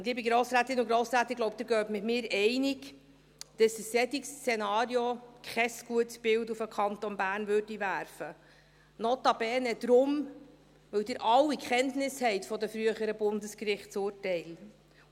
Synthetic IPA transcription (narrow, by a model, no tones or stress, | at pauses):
ʊnliːbiɡɾoːsɾæːt̪ɪnʊɡɾoːsɾæːt̪ːɪɡlowp̚d̥̪ɪɾɡœːtmɪtmɪːɾɛɪniɡ | d̥ɑsəsːɛt̪ikst͡senɑːɾjokχɛsɡ̥uətsb̥ɪwdufəkʰχɑnt̪ɔnbæːrnvøɾdiʋæːɾfə | nɔt̪ɑb̥ɛːnɛd̪̥ɾʊm | ʋɵwdɪːɾʔɑwikχɛntnɪshɛɪtfɔdəfɾyəχəɾəbʊndəskrɪχtsʊːrtɛɪl